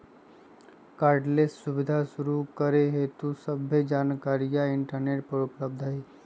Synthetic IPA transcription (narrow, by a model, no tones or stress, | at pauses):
kaːɾɖlessːʊbɪd̪ʱaʃʊɾukəɾeɦet̪usəbʱəd͡ʒaːnkaːɾijaɪɳʈəɾneːʈpəɾʊpləb̚d̪ʱəɦi